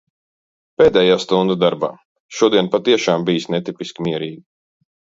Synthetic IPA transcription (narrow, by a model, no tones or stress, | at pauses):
peːd̪ɛːjaːst̪und̪ad̪aɾba̰ː | ʃuɔd̪iɛnpat̪iɛʃaːmbijisnɛt̪ipiskʲimʲiɛɾiːɡi